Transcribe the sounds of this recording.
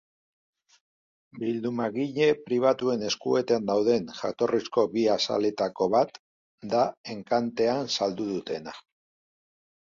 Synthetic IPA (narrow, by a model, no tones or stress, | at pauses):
bild̪umaɣiʎe̞pɾiβ̞at̪ue̞ne̞skue̞t̪and̪awð̞e̞ŋʝa̰t̪o̞risko̞βiasa̰le̞t̪ako̞βat̪ | d̪ae̞ŋkant̪e̞ansald̪uð̞ut̪e̞na